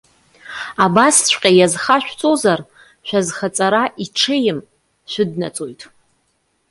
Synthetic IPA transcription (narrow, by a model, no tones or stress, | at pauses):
abasʃʷʼqʲʼajazχaʃᶣʷt͡sʼozar | ʃʷᶣazχat͡sʼaɾaʔiʈ͡ʂʰɨjɪm | ʃʷᶣʊdna̰t͡sʼojtʼ